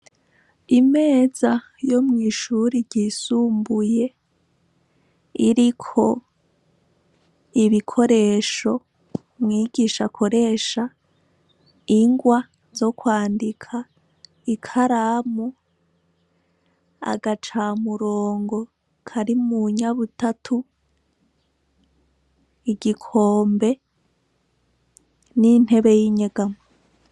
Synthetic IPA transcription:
ime̞ːza | jo̞mŋiːʃuɾiɾɟisuːmbuje̞ | iɾikʰo̞ | iβikʰo̞ɾe̞ːʃo̞ | mŋiːɡiʃakʰo̞ɾe̞ːʃa | iŋɡwa | zo̞kwaːndikʰa | ikʰaɾaːmu | a̰ɡat͡ʃamuɾoːŋɡo̞ | kʰaɾimuɲaβutatʰu | iɡikʰo̞ːmbe̞ | nin̥he̞βe̞jiɲeɡamo

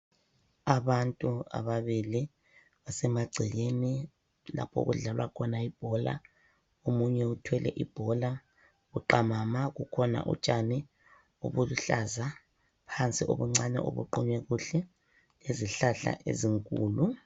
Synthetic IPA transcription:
aβantʼua̰βaβili | βasɛmaɡ͡ǀʱiɣeni | la̰pʰo̰ɣṵɮalwa̰kʰɔnaib̥ʱɔla̰ | omuɲɛutʰwɛlɛ̰ʔib̥ʱɔla | uǃamamaɣukʰɔna̰ʔṵt͡ʃʼani | o̰βuluɬaza | pʰant͡sʼiʔo̰βuŋ͡ǀanɛ̰ʔo̰βṵǃuɲwɛɣuɬɛ | leziɬaɬa̰ʔḛziŋkʼṵːlu

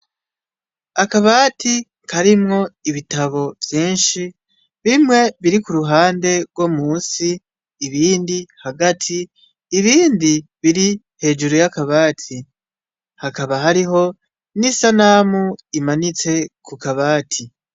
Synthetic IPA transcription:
akaβaːtʰi | kʰaɾimŋo̞iβitaβo̞vjiːnʃi | βimŋe̞βiɾikuɾuɦaːnde̞ɡwomuːsiː | βiːndihaɡatʰiː | βiːndiβiɾi | he̞ːd͡ʒuɾojakaβaːtʰi | hakaβaɦaɾiɦo̞ | nisanaːmuimanit͡se̞kukaβaːtʰi

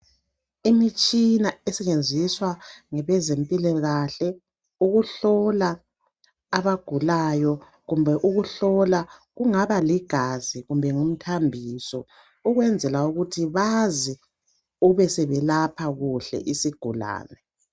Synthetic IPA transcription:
imit͡ʃʼinaɛsɛt͡ʃend͡zʱiswaŋɛβɛzempʼilɔɣaɬɛ | uɣuɬɔlaː | βaɡ̥ʱulajɔ | ɣumbʱɛʔuɣuɬɔlaɣuŋaβaliɡ̥ʱaziɣumbʱɛŋum̩tʰambʱiːsɔ | uɣwɛnd͡zʱɛlauɣutʰiβazi | uβɛsɛβɛlapʰaɣuɬɛ̰ʔisiɡ̥ʱula̰ːnɛ

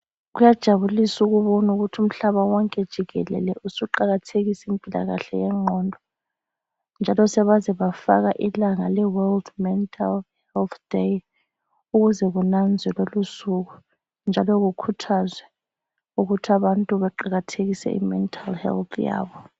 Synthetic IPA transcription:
ɣujad̥ʒ̥ʱaβulisuɣuβɔnuɣutʰum̩ɬaβawɔŋkʼɛd̥ʒ̥ʱiɣɛ̰lɛ̰lɛʔusuǃaɣatʰeɣisimpʼila̰ɣa̰ɬɛjɛŋ͡ǃʱɔndʱɔ | nd͡ʒʱalɔsɛβazɛβafa̰ɣaʔilaŋalɛwɛldmɛntʼʰalhɛlt̪ʰdej | uɣuzɛɣunand͡zʱɛlolusuɣ̬u | nd͡ʒʱalɔɣukʰutʰazwɛ | uɣutʰaβantʼuβɛǃaɣatʰeɣisɛ̰ʔḭmɛntʰʼalhɛ̰lt̪ʰja̰ːβɔ

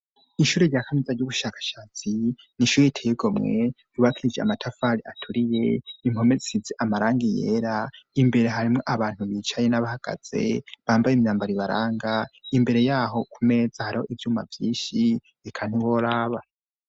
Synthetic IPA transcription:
iʃuːɾeɟaːkʰamizaɾɟuβuʃaːkḁʃaːt͡si | niʃuːɾejitʰejeɡomŋe̞̰juβakʰiɾid͡ʒea̰matʰafaɾiʔatʰuɾije̞imho̞me̞ziizeʔamaɾaːŋɡijḛːɾaimbe̞ɾe̞ɦaɾimŋo̞ʔaβaːn̥uβiːt͡ʃajenaβahaɡ̥a̰z̥e̞̰βaːmbajimɲaːmbaɾiβaɾaːŋɡaimbe̞ɾe̞jaːɦo̞kume̞ːzahaɾiho̞ʔivjuːma̰vjiːʃi | ikʰan̥iβoɾaːβa

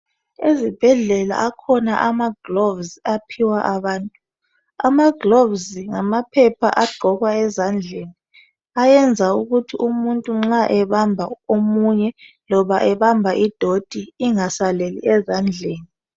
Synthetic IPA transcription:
ezib̥ʱɛɮɛla̰ʔakʰɔnaʔamaɡ̥lovzapʰiwaʔaβaːntʼu | a̰maɡlovzŋamapʰɛpʰa̰ʔaɡ͡ǃʱɔɣwaɛzand͡ɮʱeni | ajɛnd͡zʱauɣutʰiumuntʼuŋ͡ǁaʔɛβambʱaomuɲɛ | lɔβaʔɛβambʱaʔid̥ʱod̥ʱiiŋasalelḭɛzand͡ɮʱeːni

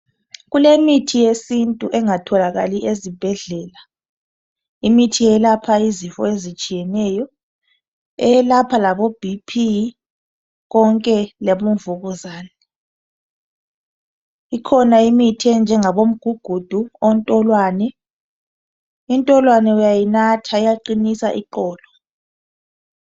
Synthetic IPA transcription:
ɣulemitʰijesintʼuʔɛŋatʰɔlaɣaliʔezib̥ʱɛɮɛːla | imitʰijɛlapʰaizifɔ̰ezit͡ʃʼijɛnɛjɔ | ɛɛlapʰalaβob̥ʱipʰi | ɣɔŋkʼɛleβuɱvuɣuzaːnɛ | ikʰɔnaimitʰɛnd͡ʒʱɛŋaβom̩ɡ̥ʱuɡ̥ʱud̥ʱuontʼɔlwaːnɛ | intʼɔlwanɛujajinatʰaijaǃinisa̰ʔiǃɔːlɔ

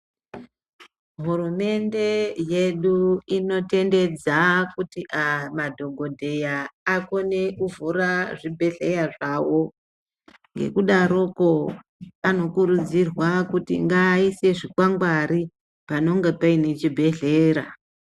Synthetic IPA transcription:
ɦurume̞nde̞je̞ɗuino̞te̞nde̞d͡zakutiʔamadʱo̞ɡʱo̞dʱe̞jaːko̞ne̞ʔuvuɾaʐibʱe̞ɮe̞jaʐawo̞ | ŋɡe̞̰kuɗaɾo̞ko̞ | ano̞kuɾud͡zirwakutḭŋɡaise̞ʐikwaŋɡwaɾi | pano̞ŋɡepaine̞t͡ʃibʱe̞ɮe̞ːɾa̰

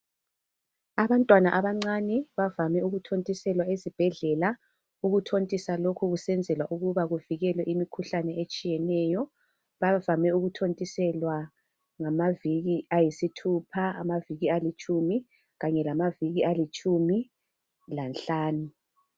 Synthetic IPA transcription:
aβantʼwanaʔaβaŋ͡ǀanɛβavamɛuɣutʰontʼisɛlwaezib̥ʱɛɮɛla | uɣutʰontʼisalokʰuɣusɛnd͡zʱɛlwaʔuɣuβaɣuviɣɛlwɛʔimikʰuɬanɛet͡ʃʼijɛnɛjɔ | βavamɛuɣutʰontʼisɛlwa | ŋamaviɣiajisitʰupʰaa̰maviɣialit͡ʃʼumi | ɣaɲɛlamaviɣialit͡ʃʼumi | lanɬaːnu

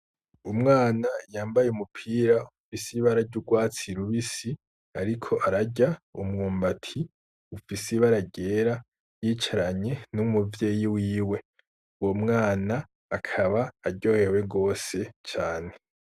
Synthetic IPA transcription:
umŋaːnajaːmbajeumupʰiːɾaufisiβaɾaɾɟuɡwaːt͡siɾuβisi | aɾikʰo̞ʔaɾaɟaumŋoːmbatʰi | ufisiβaɾaɟe̞ːɾa | jiːt͡ʃaɾaɲe̞numuvje̞ːjiwiːwe̞ | uwomŋaːnaː | kʰaβaːɾɟo̞ːhe̞we̞ɡo̞ːse̞t͡ʃaːne̞

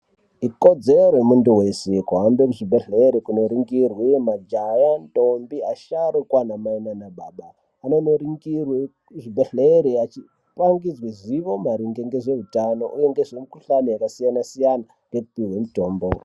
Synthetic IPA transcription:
iko̞d͡ze̞roremunduwe̞sekuɦambekuʐibʱeɮeɾikuno̞ɾiŋɡirwimad͡ʒajantombiaʃaɾokwanamainanaɓaːɓaː | no̞no̞ɾiŋɡiwe | ʐibʱeɮeɾiat͡ʃi | paŋɡid͡zwiziʋo̞maɾiŋɡe̞ŋɡe̞ʐe̞ɦutano̞ʔuje̞ŋɡe̞ʐe̞mikuɬanojakasijanasijana | ŋɡe̞kupiwe̞muto̞ːmbo

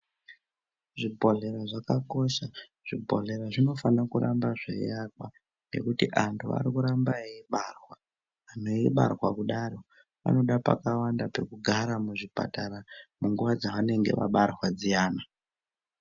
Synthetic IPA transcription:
ʐibʱo̞ɮe̞ɾaʐakako̞ʃa | ʐ̥ibʱo̞̰ɮe̞ɾaʐino̞fanakuɾambaʐḛḭarwa | ŋɡe̞̰kutiʔantʰua̰ɾikuɾambaiiɓarwaː | n̤oiɓa̰rwakuɗaɾo̞ | ʋa̰no̞ɗapa̰kawandape̞kuɡʱaɾamuʐipa̰taɾamuŋɡuʋad͡zaʋane̞ŋɡe̞̰ʋa̰ɓarwad͡zijaːna

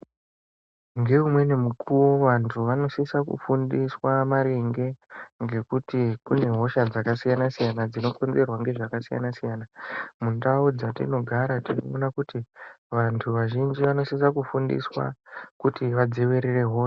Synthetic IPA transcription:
ŋɡe̞umwe̞ne̞mukʰuwo̞ʋantʰuʋano̞sisakṵfundiswamaɾeŋɡe̞ŋɡe̞kutikune̞ɦo̞ʃad͡zakasijanasijanad͡zino̞ko̞nze̞rwaŋɡe̞ʐakasija̰nasijanamundaud͡zatḭno̞ɡʱaɾatino̰onakuti | ʋantʰuʋaʒind͡ʒiʋano̞sis̬akufundḭswa̰kutiʋad͡zeʋeɾire̞ɦo̞ːʃa

